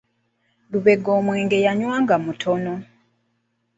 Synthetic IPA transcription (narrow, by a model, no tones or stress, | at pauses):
luβe̞ɡːoːmweːŋɡe̞jaɲwaːŋɡamutʰono̞